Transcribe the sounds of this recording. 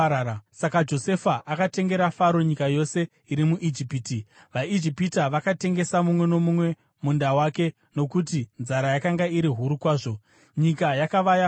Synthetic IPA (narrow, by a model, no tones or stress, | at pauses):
sakad͡ʒo̞se̞faʔakate̞ŋɡe̞ɾafaɾo̞ɲikajo̞se̞ | iɾimuʔid͡ʒipiti | ʋaid͡ʒipitaʋakate̞ŋɡe̞samumwe̞no̞mumwe̞ | mundawake̞ | no̞kutinzaɾajakaŋɡaiɾiɦuɾukwaːʐo̞ | ɲikajakaʋaja